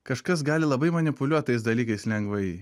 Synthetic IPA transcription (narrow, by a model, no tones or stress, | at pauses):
kɐʃkɐs̬ɡɑːlʲɪlˠɐbɐɪmɐnʲɪpʊlʲuɔt̪ɐɪsd̪ɐlʲiːkɐɪslʲɛŋɡʋɐɪ